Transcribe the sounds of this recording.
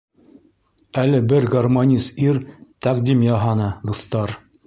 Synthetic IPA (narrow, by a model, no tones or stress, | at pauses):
ælɘbɘɾɡɐrmonʲisiɾt̪ɑqd̪imjɑɦɑnɤd̪ŏθt̪ɑɾ